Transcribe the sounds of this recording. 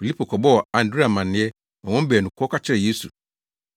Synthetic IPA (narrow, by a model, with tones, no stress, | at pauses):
fi˨li˦pʰo˨kʰɔ˨bɔ˦ɔ˨ã˨n̩˨dɾi˦a˨mã˨nɪ̃˦ɛ˦ | ɔ̃˨wɔ̃˦m˦bɛː˨nʊ̃˨kʰɔ˦kʰa˦t͡ɕʰɪ˦ɾɛ˨je˦sṵ˨